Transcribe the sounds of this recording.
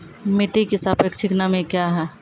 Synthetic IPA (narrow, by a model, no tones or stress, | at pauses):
miʈikisapekt͡ʃʰiknamekjaɦɛ